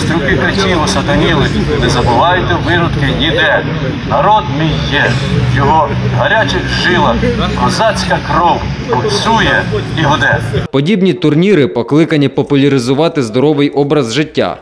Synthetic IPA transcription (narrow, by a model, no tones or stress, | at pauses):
st̪ɾʊkʲɪkɐtʲilˠɔsɐd̪ɐnʲilˠʊtʲnɛzɐbʊʋɑjʊt̪ɛʋɪɾʊt̪kɪnʲid̪ɛ | nɐɾɔd̪mʲijjːɛjɔɦɔɦɐɾʲat͡ʃɪxʒɪlˠɐɦɐzɑt͡sʲkɐkɾɔwɔpsʲujɛiɦɔd̪ɛpɔdʲibnʲit̪ʊrnʲiɾɪpɔklˠɪkɐnʲipɔpʊlʲɐɾʲɪzʊʋɑt̪ɪzd̪ɔɾɔʋɪjʔɔbɾɐzʒɪtʲːa̰